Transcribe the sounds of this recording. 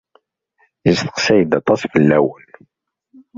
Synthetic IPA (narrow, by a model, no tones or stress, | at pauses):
əzθə̥qsæjəd̪ɑt̪ˤːɑsfəlːæwən